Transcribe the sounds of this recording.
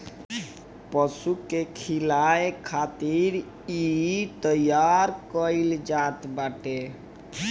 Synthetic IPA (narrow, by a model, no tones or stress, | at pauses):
pəsukːekʰilajkʰat̪iɾ | it̪əjaɾkəild͡ʒat̪baʈe